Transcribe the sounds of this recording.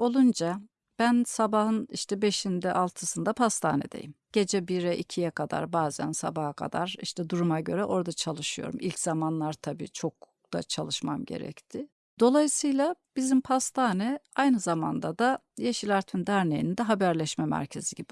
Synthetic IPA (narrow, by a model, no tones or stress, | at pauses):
o̞lˠund͡ʒa | b̥ænsabaɦɯnḭʃt̪ʰɛbe̞ʃind̪ɛʔalˠt̪ʰɯsɯnd̪apʰast̪ʰa̰ːnɛ̰d̪e̞̰jimɟ̥e̞d͡ʒɛbiɾɛʔicʰijɛkʰad̪a̰ɾbaːzæ̰nsa̰bahakʰa̰d̪aɾiʃt̪ʰɛd̪uɾumaɟø̞ɾɛʔo̞ɾd̪at͡ʃʰalˠɯʃɯjo̞̰ɾumʔilʲczamanlˠaɾt̪ʰabḭːt͡ʃʰo̞k̚ | d̪̥a̰t͡ʃʰalˠɯʃmamɟe̞̰ɾɛ̰ct̪ʰɪ | d̪̥o̞lˠajɯsɯjlˠab̥izimpʰast̪ʰaːnɛajnɯzama̰nd̪ad̪a | jeʃilʲˠaɾt̪ʰind̪æɾnejinind̪ɛɦabæɾlʲɛʃmɛmæ̰ɾcʰe̞ziɟibi